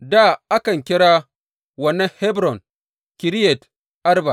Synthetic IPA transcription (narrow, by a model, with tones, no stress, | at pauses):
da˦˨ʔa˦kɐ˨ŋkʲɪ˦ɽaː˦ | wɐ˦nːɐ˦ŋhɛ˦bɾɔ˨n | kʲɪ˨ɾɪ˦jɛ˨t | ʔa˦rba˨